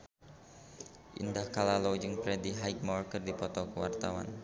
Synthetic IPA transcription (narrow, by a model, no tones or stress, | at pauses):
ʔḭndahkalalod͡ʒəŋpɾɛdiɦajk̚mɔrkərdipɔt̪ɔkəwa̰rt̪awa̰n